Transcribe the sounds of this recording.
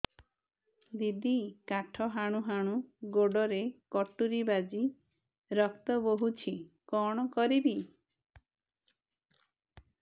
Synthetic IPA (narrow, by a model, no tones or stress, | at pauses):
d̪id̪ikaʈʰɔɦaɽ̃uɦaɽ̃uɡoɖɔɾekɔʈuɾibad͡ʒi | ɾɔkt̪ɔboɦut͡ʃʰikɔɽ̃ɔkɔɾibi